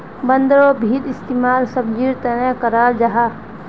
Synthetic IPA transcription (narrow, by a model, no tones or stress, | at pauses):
bənd̪əɾobʱiːd̪ɪst̪iːmaːlsɐb̚d͡ʒiːɾt̪ɐnekəɾaːld͡ʒaɦaː